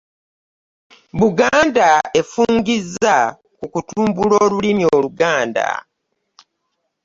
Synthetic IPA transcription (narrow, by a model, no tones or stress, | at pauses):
βuɡaːndae̞fuːŋɡizːa | kukutuːmbuloːlulimioːluɡaːnda̰